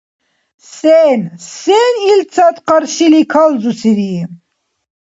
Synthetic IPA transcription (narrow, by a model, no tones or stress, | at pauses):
sensenilt͡sʰat̪qəɾʃilikʰalzusiɾi